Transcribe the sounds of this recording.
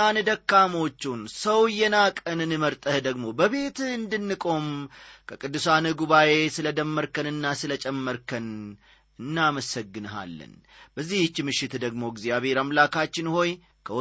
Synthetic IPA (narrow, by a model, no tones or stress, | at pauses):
anɨd̪əkːamo̞t͡ʃːunsəwɨjːɛnakʼənɨnɨməɾt̪ʼəhd̪əɡmo̞bəβe̞t̪ɨnd̪ɨnːɨkʼo̞mkʰəkʼɨd̪ːɨsanɨɡuβaje̞sɨləd̪əmːəɾkənɨnːasɨlət͡ʃʼɛmːəɾkʰən | ɨnːaməsəɡːɨnəɦa̰lːə̰n | b̥əzːiht͡ʃːmɨʃːɪt̪d̪əɡmo̞ɡzjaβe̞ɾamlakʰat͡ʃːɪnho̞j | kʰəw